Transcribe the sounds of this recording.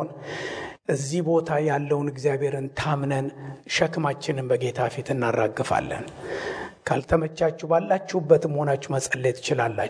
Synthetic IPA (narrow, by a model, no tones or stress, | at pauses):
n | ʔɨzːihbo̞t̪ʰajalːəwnɨɡzijabhe̞ɾɨnt̪ʰamnənʃəkmat͡ʃːɪnɨmbəɡe̞t̪ʰafit̪ʰɨnːarːaɡːɨfa̰lːə̰n | kʰalt̪ʰəmət͡ʃːat͡ʃːɛbalːat͡ʃːuubːət̪məho̞nat͡ʃːuməsʼəlːet̪ʰt͡ʃɪlalːa